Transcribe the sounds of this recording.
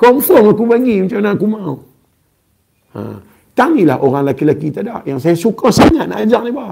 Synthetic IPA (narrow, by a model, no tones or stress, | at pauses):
kɔmfɔŋakubaŋimat͡ʃamnakumau | a̰ | t̪aŋila̰ɦʔoɾaŋlakilakit̪adaʔ̚jaŋsajasukasaŋat̪na̰ʔad͡ʒak̚niba